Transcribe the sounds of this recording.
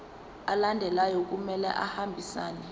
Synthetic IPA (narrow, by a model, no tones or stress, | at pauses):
alandʱɛlajɔk̬ʼumɛlɛ̰ʔahambʱisaːnɛ